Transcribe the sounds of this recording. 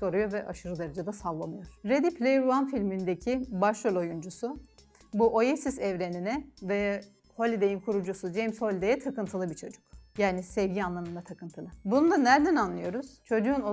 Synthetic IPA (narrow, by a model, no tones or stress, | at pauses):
ko̞ɾujoɾvɛʔaʃɯɾɯd̪aɾad͡ʒad̪asalˠːamɯjo̞ɾ̥ɾed̪ipʰlʲejɾuanfilʲmind̪ecʰibaʃɾolʲo̞jund͡ʒusu | buʔo̞jesizɛvɾe̞ninɛvɛ | ho̞lʲid̪e̞jinkʰuɾud͡ʒusud͡ʒemsho̞lʲid̪ejɛt̪ʰakɯnt̪ʰɯlˠɯbit͡ʃʰo̞d͡ʒu̥kjaːnisɛvɟianlˠamɯnd̪at̪ʰakɯnt̪ʰɯlˠɯbunund̪anæɾd̪ænanlˠɯjo̞ɾuz̥t͡ʃʰo̞d͡ʒuːno